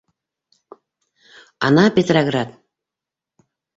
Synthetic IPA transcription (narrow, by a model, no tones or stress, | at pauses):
ɑ̰nɑpʲet̪roɡrat̪